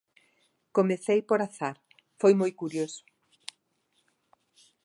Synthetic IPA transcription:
komeθejpoɾaθaɾ | fojmojkuɾjosʊ̥

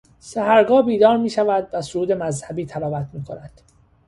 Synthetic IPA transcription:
sæhæɾɡɒːbiːd̪ɒːɾmiːʃævæd̪væsoɾuːd̪e̞mæzhæbiːt̪ʰælɒːvæt̪ʰmiːkʰo̞næd̪̥

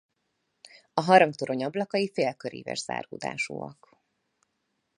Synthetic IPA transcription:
ɒɦɒɾɒŋkt̪oɾo̞ɲɒblɒkɒjifeːlkøɾḭːvɛ̰ʒz̥a̰ːrɡud̪a̰ːʃo̰ːɒ̰k

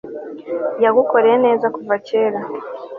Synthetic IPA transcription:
jaɡuko̞ɾeene̞ːzakuvace̞ːɾa

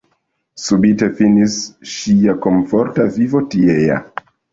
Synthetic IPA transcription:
subitefinisʃiakoɱfoɾtavivotieja̰

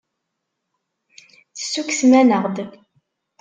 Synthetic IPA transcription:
θə̥sːuksmænəʁd̪

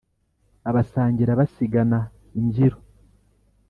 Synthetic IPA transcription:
aβasaːɲɟiɾaβasiɡana | iɲɟiɾo

